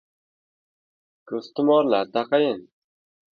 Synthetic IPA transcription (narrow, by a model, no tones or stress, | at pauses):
kʰɵst̪ʊmɒɾlaɾd̪aqɑjɪn